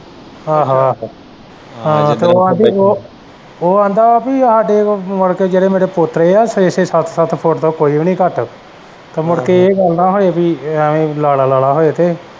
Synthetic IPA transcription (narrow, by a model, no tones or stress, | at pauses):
aːɦaː | ɦãːt̪eːoːãːnd̪ioː | oːãːnd̪aːapiːəɦaːɖeːmʊɽkeːd͡ʒeːɽeːmeːɾeːpʊt̪ɾeːaːsɪseːsat̪ʰsət̪ʰpʰoʈt̪õːkoːiːʋiːnĩːkəʈ | t̪aːmʊɽkeːeːɡəlnaːɦoːeːpiːẽːlaːlaːlaːɽaːɦoːeːt̪eː